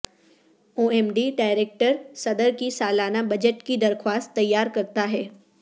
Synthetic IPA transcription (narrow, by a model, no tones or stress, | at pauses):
oːeːmɖiɖaːɪɾeːk̚ʈəɾsɐd̪əɾkisaːlaːnabɐd͡ʑeʈkid̪ɐɾxwaːst̪ːɐjːaːɾkɐɾt̪aɦɛː